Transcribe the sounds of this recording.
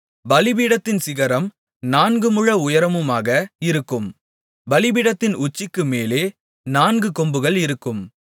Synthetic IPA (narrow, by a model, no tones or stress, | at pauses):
bɐlɪbiːɽɐt̪ːɪnsɪɣɐɾɐm | naːnɡɯmɯɻɐʊjɐɾɐmɯmaːɣɐɪɾɯkːɯm | bɐlɪbiːɽɐt̪ːɪnʊt͡ʃːɪkːɯmeːleː | naːnɡɯkɔmbɯɣɐɭɪɾɯkːɯm